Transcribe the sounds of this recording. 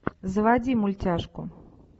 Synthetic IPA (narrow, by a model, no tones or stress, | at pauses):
zvad͡zʲimulʲt͡sʲaʂkʊ